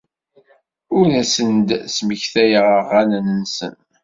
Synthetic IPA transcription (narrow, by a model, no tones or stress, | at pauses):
ʊɾnæsənd̪sməçθæjəʁəʁːænənənsə̰n